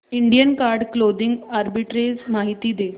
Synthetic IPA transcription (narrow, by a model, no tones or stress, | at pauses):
iɳɖijənkaɾɖklod̪iŋɡaɾbiʈɾed͡zmaɦit̪iːd̪e